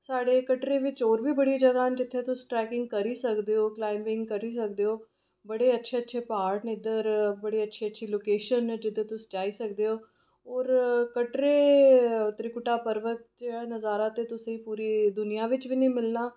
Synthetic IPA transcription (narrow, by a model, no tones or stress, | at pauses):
saːɽeːkəʈɾeːʋɪt͡ʃoːɾʋiːbəɽiːd͡ʒəɡaːnd͡ʒɪt̪ʰːeːt̪ʊsʈɾɛːkɪŋɡ̚kəɾiːsəkd̪eːoːklaːɪmʋɪŋɡkəɾiːsək̚d̪eːoː | bəɽeːətːʃʰeːətːʃʰeːpaːɾʈnɪd̪əɾbəɽiːətːʃʰeːətːʃʰiːloːkeːʃənd͡ʒɪd̪eːt̪ʊsd͡ʒaːiːsəkd̪eːoː | ɔːɾkəʈɾeː | t̪ɾɪkʊʈaːpəɾʋət̪̚d͡ʒeanəzaːɾaːt̪eːt̪ʊsẽĩpuːɾiːd̪ʊnijãːʋɪt͡ʃʋiːnĩːmɪlnaː